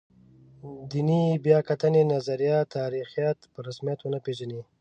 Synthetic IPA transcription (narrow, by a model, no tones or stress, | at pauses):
d̪inibjɑkat̪ənenazaɾijɑt̪ʰːɑːɾixijat̪pəɾasmijat̪wənapeʒani